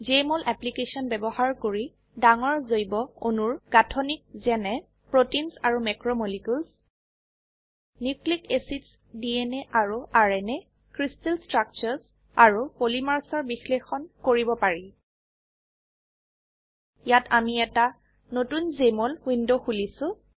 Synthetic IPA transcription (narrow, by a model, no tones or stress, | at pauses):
zemɔlʔɛplikesɔnbɛbɔhaɹkoɹi | daŋɔɹzojbɔonuɹɡ̥atʰɔnik̚zɛnɛ | pɹotinsaɹumɛkɹɔmolikuls | niklikesits | diɛnɛʔaɹuʔaɹɛnɛ | kɹistɛlstɹak̚t͡ʃɔs | aɹupolimaɹsɔɹbixlexɔnkoɹibɔpaɹi | jatʰamiɛta | notunzemolwindoxulisʊ̃